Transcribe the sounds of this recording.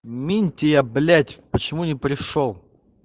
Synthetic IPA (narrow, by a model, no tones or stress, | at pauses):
mʲinʲtʲɪjablʲætʲpət͡ɕɪmunʲɪpɾʲɪʂolˠ